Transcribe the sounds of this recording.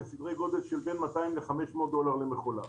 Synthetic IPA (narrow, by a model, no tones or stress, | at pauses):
esid̪ʁe̞jɡo̞d̪elʃelbenmat̪aimleχameʃmo̞ːt̪̚d̪o̞laʁlemeχo̞la̰